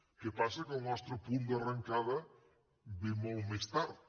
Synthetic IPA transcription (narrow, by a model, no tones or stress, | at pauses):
kepasɐkʊnɔst̪ɾʊpund̪araŋkaðɐ | bimowmest̪aɾ